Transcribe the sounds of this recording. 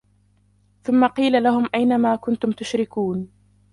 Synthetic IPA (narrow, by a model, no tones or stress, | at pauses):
θʊmːaqiːlalahʊmʔajnamaːkʊnt̪ʊmt̪ʊʃɾɪkuːn